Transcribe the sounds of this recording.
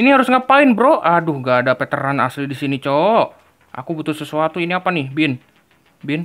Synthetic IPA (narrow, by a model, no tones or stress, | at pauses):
iniɦaɾʊsŋɡapaɪnbɾoʔadʊhɡaːdapet̪əɾana̰slidisinit͡ʃoʔ | a̰kubut̪ʊlsəsuat̪uiniapanɪhbɪn | bɪn